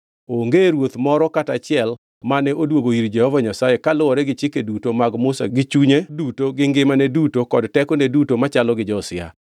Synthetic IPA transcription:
oŋɡeɾwot̪mɔɾɔkatat͡ʃɪɛl | manɛʔodwoɡoiɾd͡ʒɛhɔvaɲasajekalʊwɔɾɛɡɪt͡ʃɪkedutomaɡmʊsa̰ɡɪt͡ʃuɲedutoɡɪŋɡɪmanɛdutokɔdtɛkonedutomat͡ʃalɔɡɪd͡ʒɔsɪa̰

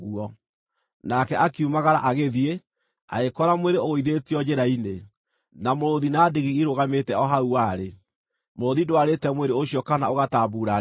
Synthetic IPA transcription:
ɣuɔ | nakɛʔakiumaɣaɾaʔaɣeðie | a̰ekɔɾamweɾeoɣoiðetiɔd͡ʑeɾaine | namoɾoðinadiɣiiɾoɣametɛɔɦauaːɾe | moɾoðidoaɾetɛmweɾeoɕjɔkanaoɣatabuːɾa

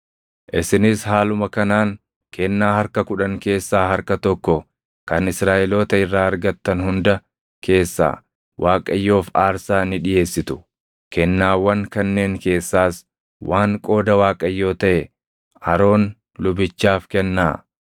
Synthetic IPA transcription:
ʔɪsɪnɪshaːlʊmɐkɐnaːŋ | kʰɛnːaːhɐɾkɐkʊᶑɐŋke̞ːsːaːhɐɾkɐt̪ɔkːɔ | kɐnɪsɾaːʔɛloːt̪ɐɪrːaːɐɾɡɐt̪ːɐnhʊnd̪ɐ | ke̞ːsːa̰ː | wʔaːkʼɐjːo̞ːfaːɾsaːnɪᶑɪje̞ːsːɪt̪ʊ̥ | kɛnːaːwːɐŋkɐnːe̞ːŋke̞ːsːaːs | wʔaːŋkʼo̞ːd̪ɐwaːkʼɐjːo̞ːt̪ɐʔɛ | ʔɐɾo̞ːn | lʊbɪt͡ʃːaːfkɛnːaː

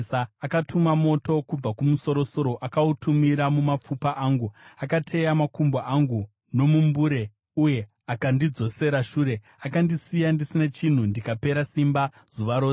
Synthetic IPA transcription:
aakatʰumamo̞to̞kub͡vakumuso̞ɾo̞so̞ɾo̞ʔakautumiɾamumap͡fupaʔaːŋɡuakatʰe̞jamakumbaʔaŋɡu | no̞mumbuɾe̞ | uje̞ | akandid͡zo̞se̞ɾaʃuːɾe̞ | akandisijandisinat͡ʃin̤undikape̞ɾasimba | z̥uʋaɾoː

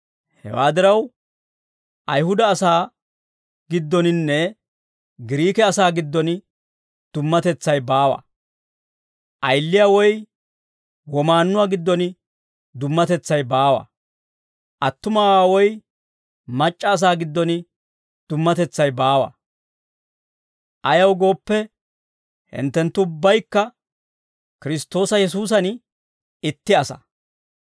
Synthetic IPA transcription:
hɛ̰waːd̪ɪɾɐw | ʔɐjhʊd̪ɐːsaː | ɡ̥ɪd̪ːɔnɪnːɛ | ɡɪɾiːkɛɐsaːɡɪd̪ːɔn | d̪̥ʊmːɐt̪ɛt͡sːɐjbaːwɐ̰ | ʔɐjlːɪjaːwɔj | wɔmaːnːʊwaːɡɪd̪ːɔnɪ | d̪ʊmːɐt̪ɛt͡sːɐjbaːwɐ̰ | ʔɐt̪ːʊmawaːwɔj | mɐt͡ʃʼːɐːs̬aːɡɪd̪ːɔnɪ | d̪̥ʊmːɐt̪ɛt͡sːɐjbaːwɐ̰ | ʔɐjɐwɡo̞ːpːɛ | hɪ̰nt̪ːɛnt̪ːʊʊbːɐjkːɐ | kɪɾɪst̪ːo̞ːsɐjɛs̬uːs̬ɐn | ɪt̪ːɪɐsɐ̰

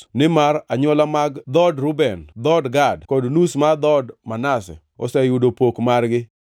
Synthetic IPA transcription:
nɪmaɾaɲwɔlamaɡd̪ɔdɾubɛnd̪ɔdɡadkodnusmad̪ɔdmanasɛ̰ | ɔ̰sɛjudopokmarɡɪ

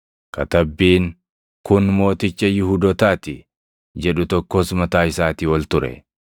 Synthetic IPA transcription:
kɐt̪ɐbːiːŋ | kʊnmo̞ːt̪ɪt͡ʃːɐjɪhuːd̪ɔt̪aːt̪ɪ | d͡ʒɛᶑʊt̪ɔkːoːsmɐt̪aːɪsaːt̪ɪwɔlt̪ʊɾɛ̰

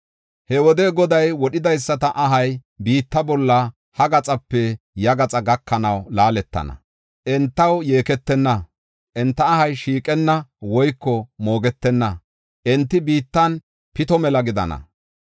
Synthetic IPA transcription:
hɛwɔd̪ɛɡɔd̪ɐjwɔɗɪd̪ɐjsːɐt̪ɐʔɐɦɐjbiːt̪ːɐbɔlːɐ | hɐɡɐt͡sʼɐpːɛ | jɐɡɐt͡sʼɐɡɐkːɐnɐwlaːlɛt̪ːɐ̰nɐ̰ | ʔɛnt̪ːɐwje̞ːkɛt̪ːɛnːɐ | ʔɛnt̪ːɐːhɐjʃiːkʼɛnːɐwɔjkːɔmo̞ːɡɛt̪ːɛnːɐ | ʔɛnt̪ːɪbiːt̪ːɐn | pɪt̪ɔmɛlɐɡɪd̪ɐ̰nɐ̰

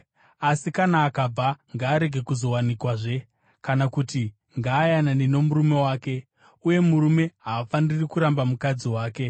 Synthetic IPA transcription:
asikanaːkab͡vaŋɡaːɾe̞ɡʱe̞kuzo̞wanikwaʐe̞ | kanakuti | ŋɡaːjananino̞muɾume̞waːke̞ | uje̞muɾume̞ɦaːfanirikuɾambamukad͡ziwaːke̞

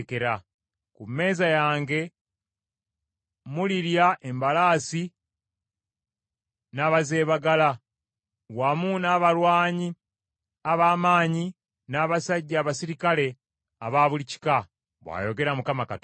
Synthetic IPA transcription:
keɾa | kume̞ːzajaːŋɡe̞ | muliɾjaʔe̞mbalaːsi | naːβaze̞ːβaɡala | wamunaːβalwaːɲi | aβaːmaːɲi | naːβasaɟːaːβasiɾikale̞ | aβaːβulici̥ka | βwa̰jo̞ɡe̞ɾamukamakat

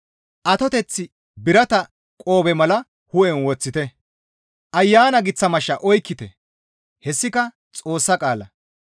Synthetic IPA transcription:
ʔɐt̪ɔt̪ɛt͡sːɪ | bɪɾɐt̪ɐ | kʼo̞ːbɛmɐlɐ | hʊʔɛnwɔt͡sːɪt̪ɛ | ʔɐjːaːnɐɡɪt͡sːɐmɐʃːɐʔɔjkːɪt̪ɛ | hɛsːɪkɐ | t͡sʼo̞ːsːɐkʼaːlɐ

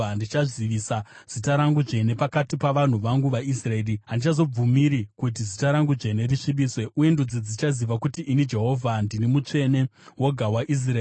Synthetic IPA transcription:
ndit͡ʃaʐiʋisaz̥itaɾaŋɡuʐe̞ne̞pakatipaʋan̤uʋaŋɡuʋais̬rae̞ːriɦandit͡ʃazo̞b͡vumiɾikut̬izitaɾaŋɡuʐe̞ne̞riʂiɓiːswe̞uje̞ndud͡zid͡zit͡ʃaziʋakutiːnid͡ʒe̞ɦo̞vʱandinimut͡ʂe̞ne̞wo̞ɡʱawaʔis̬raː

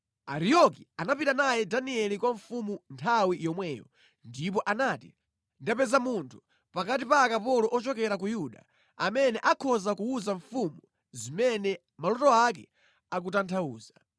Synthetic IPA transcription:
aɾijɔkianapitanajɛdaniɛlikwaɱfumuntʰawijɔmwɛːjɔ̰ | ndip̬ɔʔanatḭ | ndapɛzamuntʰu̥ | pakatipakapɔlɔʔɔt͡ʃɔkɛɾak̬ujuɗa | a̰mɛnɛʔakʰɔzakuuzaɱfumu | zimɛnɛ | malɔtɔak̬ɛ | akutantʰauːzḁ

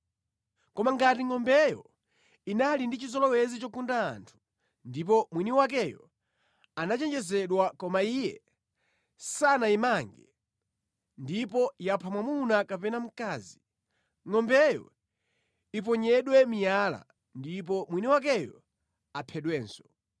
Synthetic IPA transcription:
kɔmaŋɡatiŋɔmbɛjɔ̰ | inalindit͡ʃizɔlɔwɛzit͡ʃɔkunda̰ːntʰu̥ | ndip̬ɔmwiniwak̬ɛjɔ | anat͡ʃɛnd͡ʒɛsɛɗwakɔmaijɛ | sanaimaŋɡɛ | ndipɔjapʰamwamunakapɛnam̩kaːzi | ŋɔmbɛjɔ̰ | ip̬ɔɲɛɗwɛmijala̰ | ndip̬ɔmwiniwak̬ɛjɔ | apʰɛɗwɛːnsɔ̥

